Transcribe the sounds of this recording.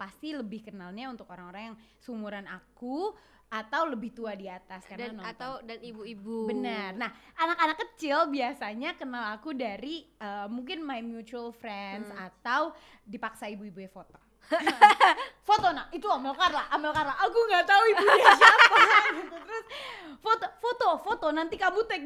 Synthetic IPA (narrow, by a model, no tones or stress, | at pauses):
past̪iləbɪhkənalɲaunt̪ʊkoɾaŋoɾaŋjaŋ | sumuɾanaku | at̪awləbɪht̪uadiat̪askaanawdanibuibubənərnahʔanakanakːət͡ʃɪlbiasaɲakənalakudaɾiəmuŋk̬ɪnmajmjut͡ʃuəlfɾɛnsat̪aw | dipaksaibuibujafot̪o | fot̪onaʔit̪uamɪlkarlaʔambɪlkarlaːkuŋɡat̪auibuas | it̪ut̪ɾʊsfot̪ofot̪ofot̪onant̪ikamut̪ɛk̚